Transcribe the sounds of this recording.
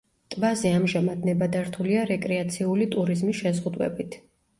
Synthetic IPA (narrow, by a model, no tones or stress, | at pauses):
t̪ʼbaziamʒamad̪nɛbad̪aɾt̪ʰuliaɾɛkʼɾɛat̪sʰiulit̪ʼuɾizmisʃɛzʁud̪wɛ̰bit̪ʰ